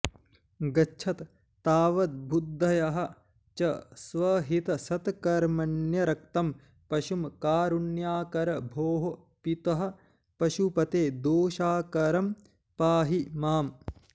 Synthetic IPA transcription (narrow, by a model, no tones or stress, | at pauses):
ɡɐt͡ʃʰɐt̪ː | aːʋɐt̪̚bʱud̪ʱːɐjɐɦɐ̆ | t͡ʃɐsʋɐɦit̪ɐsɐt̪kɐɾmɐnjɐɾɐk̚t̪ɐm | pɐʃumkaːɾunjaːkɐɾɐbʱoːɦo | pit̪ɐɦɐ̆ | pɐʃupɐt̪eːd̪oːʃaːkɐɾɐm | paːɦimaːm